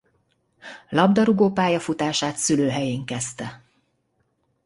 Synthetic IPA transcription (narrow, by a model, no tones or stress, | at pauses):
lɒbd̪ɒɾuɡoːpaːjɒfut̪aːʃaːt̪syløːɦɛjeːŋkɛst̪ɛ